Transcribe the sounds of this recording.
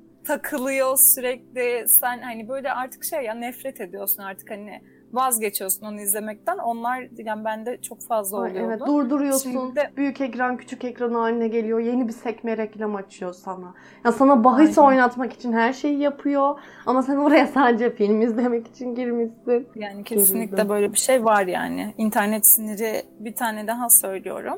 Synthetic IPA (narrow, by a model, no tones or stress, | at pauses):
t̪ʰakʰɯlˠɯjo̞syɾɛc̚lʲisænhanibøjlʲɛʔaɾt̪ʰɯ̥kʃejːanɛfɾɛt̪ʰe̞d̪ijo̞sunaɾt̪ʰɯ̥khanɪ | vazɟe̞t͡ʃʰijo̞suno̞nuizlʲe̞mɛc̚t̪ʰæno̞nlˠaɾd̪ilʲanbænd̪ɛt͡ʃʰo̞kfazlˠaolˠujevɛt̪d̪uɾd̪uɾujo̞sunbyjycɛcɾancʰy̥t͡ʃʰycɛcɾanɯaːninɛɟe̞lʲijo̞je̞nibisɛcmeɾɛclʲɛmat͡ʃʰɯjo̞sana | jasanabaɦɯjsao̞jnat̪maki̥t͡ʃʰinhæɾʃe̞jijapʰɯjo̞amasanoɾajasand͡ʒɛfilʲmizlʲe̞mɛci̥t͡ʃʰinɟiɾmisɪjaːnicʰeessiinlʲic̪d̪d̪ɛbø̞jlʲɛbiʃejvaɾja̰ːnɪ̰int̪ʰæɾnɛt̪siniɾibit̪ʰaːnɛd̪aɦasø̞jlʲijo̞̰ɾum